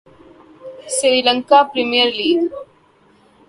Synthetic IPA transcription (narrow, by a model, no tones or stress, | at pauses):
siɾilɐŋkaːpɾimijəɾliːɡ